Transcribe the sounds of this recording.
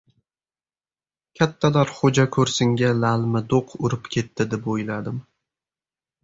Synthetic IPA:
kʲʰat̪ʰːalaɾχod͡ʒakʲʰɵɾsɪŋɡʲalalmɪd̪oqʰʊɾɪpkʲʰe̞t̪ʰːɪd̪epojlad̪ɪm

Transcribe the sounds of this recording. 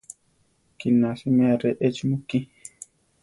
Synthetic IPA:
kinːasimaɾɛʔet͡ʃmukːi

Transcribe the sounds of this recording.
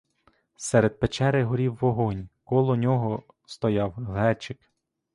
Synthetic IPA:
sɛɾed̪̚pet͡ʃɛɾɪɦɔɾʲiwːɔɦɔnʲkɔlˠɔnʲɔɦɔ | st̪ɔjɑwɦɛt͡ʃɪk

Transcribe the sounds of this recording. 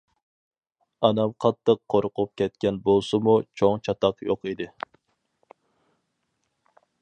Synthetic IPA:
ɑnɑmqʰɑt̪ʰːəqʰːoɾʊqʊp̚kʲɛt̪̚kʲɛnbolˠsɨmut͡ʃʰoŋt͡ʃʰɑt̪ɑqjoqid̪ɪ

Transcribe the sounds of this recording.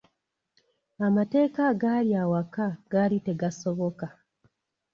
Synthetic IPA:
amate̞ːkaɡaːliawakaɡ̥aːlite̞ɡaso̞βo̞ka

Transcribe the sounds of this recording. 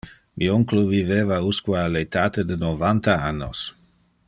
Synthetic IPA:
mioŋkloviveːvauskwaalet̪aːt̪ed̪enovant̪aanːo̰s

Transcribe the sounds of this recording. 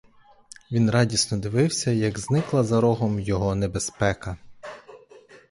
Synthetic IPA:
ʋʲinɾɑdʲisnɔd̪ɪʋɪwsʲɐjɐɡznɪklˠɐzɐɾɔɦɔmjɔɦɔnebespɛkɐ

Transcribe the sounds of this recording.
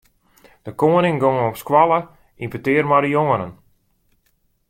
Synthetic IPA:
d̥əkoːənɪŋɡoŋəɔpskwalˠə | impətɪərmadəjoŋənə̰n

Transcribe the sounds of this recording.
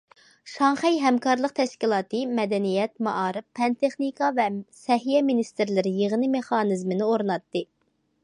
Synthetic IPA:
ʃɑŋχɛjɦɛmkɑɾlˠəq̚t̪ʰɛʃkʲilˠɑːt̪ɨmɛd̪ɛnijɛt̪mɑʔɑːɾɨppʰːɛnt̪ʰeχnikɑvɛsɛɦijɛminist̪ɪɾlɪɾɪjeʁɨnɨmeχɑːnɨzmɪnɪoɾnɑt̪ːɨ

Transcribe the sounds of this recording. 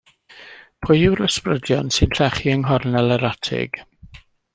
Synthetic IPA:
pʰʊjɪwɾəsprədjɔnsɨnɬɛχiəŋɦɔrnɛlˠəɾatʰɪ̰ɡ̥

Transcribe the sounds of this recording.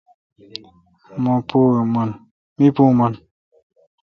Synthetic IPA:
mopuman | mipumɐn

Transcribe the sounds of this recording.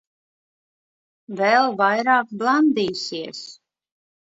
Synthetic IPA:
vɛlˠvajɾɑːkblˠand̪iːsiɛs

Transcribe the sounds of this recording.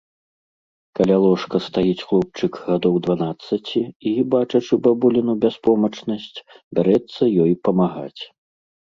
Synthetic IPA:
kalʲalˠɔʂkɐst̪ajit͡sʲxlˠɔp̚t͡ʂɨkɣad̪ɔwd̪vanat̪sːɐt͡sʲiibat͡ʂɐt͡ʂɨbabulʲinubʲaspɔmɐt͡ʂnɐsʲt͡sʲbʲaɾɛt̪sːɐjɔjpɐmaɣa̰t͡sʲ

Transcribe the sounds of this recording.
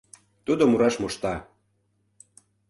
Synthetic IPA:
t̪ud̪omuɾɑʃmoʃt̪ɑ

